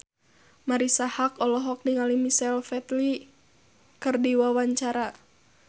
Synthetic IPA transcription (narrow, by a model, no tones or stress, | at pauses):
maɾisahakɔlɔɦɔk̚niŋalimisɛlfɛt̪li | kɨrdiwawaɲt͡ʃaɾa